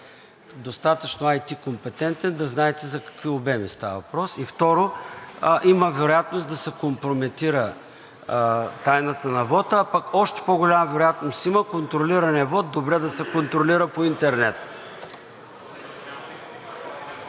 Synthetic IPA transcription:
d̪ost̪at̪ət͡ʃnoajt̪ikompɛt̪ɛnt̪ɛnd̪ɐznaɛt̪ɛzɐkɐ̥kviobɛmist̪avə̰vɐpɾɔsift̪ɔɾo | ʔiməvɛɾojat̪nosd̪ɐsɛkompɾomɛt̪iɾə | t̪ajnət̪ənɐvɔt̪əapakɔʃt̪ɛ̥poɡolʲamvɛɾojat̪nosiməkont̪ɾoliɾɐnɛvɔt̪̚d̪obɾɛd̪ɐsɛkont̪ɾoliɾəpoint̪ɛɾnɛt̪

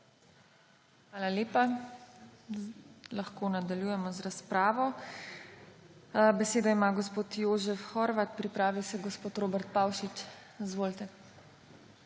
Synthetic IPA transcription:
xʋaːlaleːpa | laxkoːnad̪aljuːjɛmɔzɾaspɾaːʋɔ | bɛseːd̪ɔimaɡɔspoːt̪joːʒɛfxɔɾʋat̪̚pɾipɾaːʋisɛɡɔspoːt̪ɾoːbɛɾt̪̚pawʃit͡ʃ | izʋoːlt̪ɛ

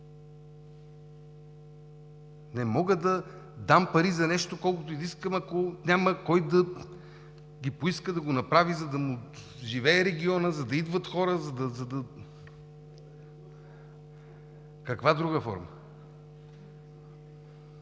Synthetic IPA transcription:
nɛmɔɡəd̪ɐ | d̪ampɐɾizɐnɛʃt̪okɔlˠkot̪oiziskəmɐkonʲaməkɔjd̪ɐ | ɡʲipoiskəd̪ɐɡonɐpɾavizɐd̪ɐmu | ʒivɛɛɾɛɡʲiɔnəzɐd̪ɐid̪vət̪xɔɾəzɐd̪ɐzɐd̪ɐ | kɐkvad̪ɾuɡəfɔ̰ɾmə

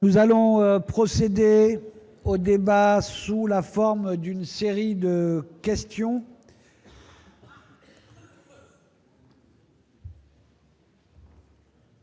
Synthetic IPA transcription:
nuzalɔ̃øpχɔsed̪e | od̪ebasulafɔʁmd̪ynseʁid̪əkʲɛst̪jɔ̃

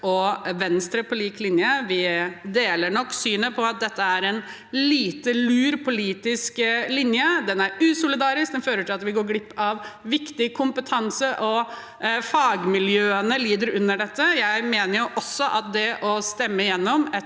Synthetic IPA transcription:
ʔɔʋɛnst̪ɾəpʰɔliːklɪnjəʋɪd̪eːləɳɔkːsyːnəpʰɔɑt̪̚d̪ɛt̪ːəæɾɛn | liːt̪əlʉːɾpʰʊliːt̪ɪsklɪnjəd̪ɛnæɾʉːsʊlɪd̪ɑːɾɪsk̚d̪ɛnføːɾəʈʰɪlɑt̪ʋɪɡoːɾɡlɪpːɑʋʋɪkt̪ɪkʰʊmpət̪ʰɑnsəʔɔ | fɑːɡmɪljøːənəliːd̪əɾʉnːəɖɛt̪ːəjæɪmeːnəɾjʉʔɔsːɔʔɑt̪̚d̪ɛʔɔst̪ɛmːəɪjɛnːɔmɛ

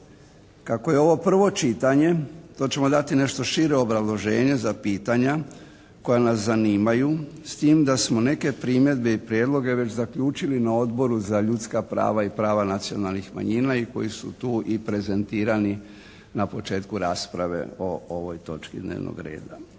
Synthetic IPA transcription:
kako̞je̞o̞ʋo̞pr̩ʋo̞t͡ʃit̪aɲe̞t̪o̞ːt͡ɕe̞mo̞d̪at̪ine̞ʃt̪o̞ʃiɾeobɾazlˠo̞ʒe̞ːɲe̞zapiːt̪aɲa | ko̞janaszaniːmajust̪iːmd̪asmo̞ne̞ke̞pɾimje̞d̪be̞ipɾjed̪lˠo̞ɡe̞ʋe̞t͡ɕzakʎuːt͡ʃilinao̞d̪bo̞ɾuzaʎut̪skapɾa̰ːʋaipɾaːʋanat̪sio̞̰nalnixma̰ɲinaiko̞̰jisut̪uːʔipɾe̞ze̞nt̪iːɾani | napo̞t͡ʃe̞ːt̪kuɾaːspɾaʋe̞̰o̞oʋo̞jt̪o̞̰t͡ʃkid̪nḛːʋnʔo̰ɡɾḛːd̪a

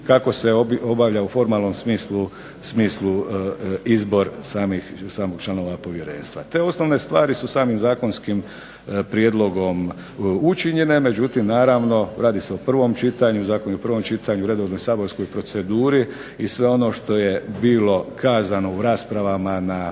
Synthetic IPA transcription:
kako̞se̞oobaʋʎaufo̞ɾmaːlˠno̞msmiːslu | smiːslu | izbo̞ɾsaːmixsaːmoɡt͡ʃlano̞ʋapo̞ʋje̞ɾe̞̰ːnst̪ʋa̰t̪e̞ːo̞snoʋne̞st̪ʋaːɾisusaːmimzaːko̞nskim | pɾjed̪lo̞ɡo̞m | ut͡ʃiɲe̞ne̞me̞d͡ʒut̪imnaːɾaʋno̞ɾaːd̪iseopr̩ʋo̞mt͡ʃit̪aɲuzaːkonuopr̩ʋo̞mt͡ʃit̪aɲuɾe̞d̪oʋno̞jsaːbo̞ɾsko̞jpɾo̞t̪se̞d̪uːɾi | isʋe̞o̞no̞ʃt̪o̞je̞biːlo̞kʰaːzano̞uɾaːspɾaʋamana

